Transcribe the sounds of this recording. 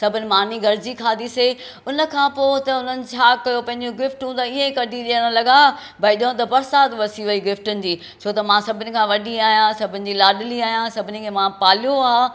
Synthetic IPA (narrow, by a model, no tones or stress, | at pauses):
sɐbʱɪnɪ̆maːniɡɐɾɪd͡ʑikʰaːd̪ise | ʊnə̆kʰãːpoːt̪ɐʊnənɪ̆t͡ɕʰaːkɐjopɐ̃ɦɪ̃ɲd͡ʑoɡɪfʈũt̪ɐiẽkɐɖʱiɗiːə̃ɽ̃ə̃lɐɠa | bɐɪɗõt̪ɐbɐɾsaːt̪ʋɐsiʋɐiɡɪfʈʊnɪ̆d͡ʑiː | t͡ɕʰoːt̪ɐmãsɐbʱɪnɪ̆kʰãːʋɐɗiaːɦjãsɐbʱɪnɪ̆d͡ʑiːlaːɗɪliaːɦjãsɐbʱɪnɪ̆kʰeːmãpaːlijoaː